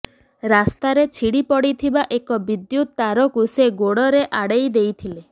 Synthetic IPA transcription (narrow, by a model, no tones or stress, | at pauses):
ɾast̪aɾet͡ʃʰiɽipɔɽit̪ʰibaʔekɔbid̪jut̪ːaɾɔkuseɡoɽɔɾeʔaɽejd̪ejt̪ʰile